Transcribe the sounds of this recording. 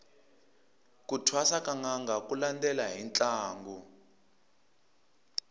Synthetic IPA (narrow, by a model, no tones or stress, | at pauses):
kutʰwasakaŋaŋɡakulandɛlaɦint͡ɬʼaːŋɡu